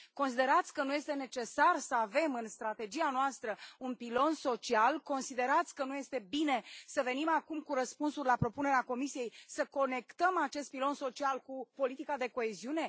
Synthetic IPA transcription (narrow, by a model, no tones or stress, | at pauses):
ko̞nsid̪e̞ɾat̪sʲkənuje̞st̪e̞ne̞t͡ʃe̞sarsəave̞mɨnst̪ɾat̪e̞d͡ʒianoast̪ɾəunpilo̞nso̞t͡ʃialko̞nsid̪e̞ɾat̪sʲkənuje̞st̪e̞bine̞səve̞nimakumkuɾəspunsurʲlapɾo̞pune̞ɾeako̞misije̞jsəko̞ne̞kt̪əmat͡ʃe̞st̪̚pilo̞nso̞t͡ʃialkupo̞lit̪ikad̪e̞ko̞e̞ziune̞